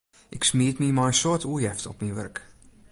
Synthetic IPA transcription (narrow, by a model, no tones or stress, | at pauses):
ʔɪksmiətmimɔjənsoətuəjɛftɔpmiʋørk